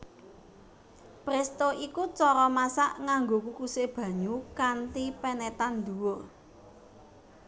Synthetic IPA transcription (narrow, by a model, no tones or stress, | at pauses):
pɾest̪oikut͡ʃɔɾɔmasaʔŋaŋɡokukuseb̥ä̤ɲukant̪ipɛnɛt̪and̪uwo